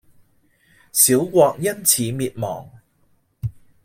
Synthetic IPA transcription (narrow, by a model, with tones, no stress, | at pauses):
siː˨˥wkʷɔː˧k̚jɐ˥nt͡sʰiː˨˦miː˨˧t̚mɔ̰ː˨˩ŋ